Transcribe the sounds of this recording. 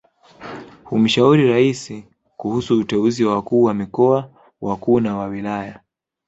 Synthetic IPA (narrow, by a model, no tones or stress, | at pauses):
hum̩ʃauɾiɾaisi | kuhusuːtɛuziwakuːwamikɔa | wʔakuːnawawilaja